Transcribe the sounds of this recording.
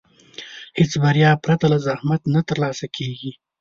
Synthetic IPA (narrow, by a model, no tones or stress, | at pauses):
het͡sbaɾijɑpɾat̪alazahmat̪nat̪əɾlɑsakʰeɡi